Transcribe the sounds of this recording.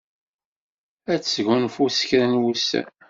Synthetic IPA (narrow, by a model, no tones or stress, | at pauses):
æt͡sːʝʊnfusə̥çɾænwusæ̰n